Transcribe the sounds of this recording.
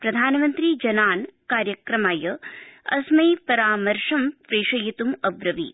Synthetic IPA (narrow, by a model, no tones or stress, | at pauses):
pɾɐd̪ʱaːnmɐnt̪ɾid͡ʒɐnaːnkaːɾjɐkɾɐmaːjɐɐsmɐjpɐɾaːmɐɾʂɐmpɾeːʂɐjɐt̪umɐʋɾɐʋḭ